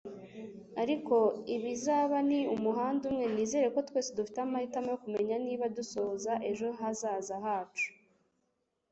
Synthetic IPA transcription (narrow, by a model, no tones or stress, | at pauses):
aɾiko̞iβizaːβaniumuɦaːndumŋe̞niːze̞ɾeko̞twe̞ːsedufi̥teamahitamekume̞ɲaniːβaduso̞ːzaʔe̞ʒo̞ɦazaːzahaːt͡ʃu̥